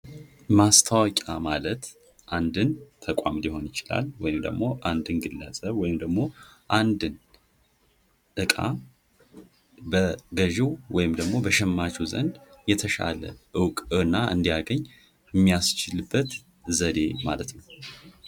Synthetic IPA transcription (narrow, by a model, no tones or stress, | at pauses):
mast̪ʰəwɔkʼamalət̪ | ʔand̪ɨnt̪ʰəkʷʼamliho̞njɪt͡ʃɪla̰lwɔjɪmd̪ə̰ɡmo̞ʔand̪ɨnɡɨlːəsʼəβwɔjɪmd̪əɡmo̞ʔand̪ɨn | ʔɨkʼa̰ | bəɡəʒiwwɔjɪmd̪əɡmo̞bəʃɛmːat͡ʃʰuzə̰nd̪jɛt̪ʰəʃa̰lə̰ʔɨwkʼɨnːaʔɨnd̪ijaɡəɲː | jɛmːijast͡ʃɪlɨbːət̪ | zəd̪e̞malət̪nəw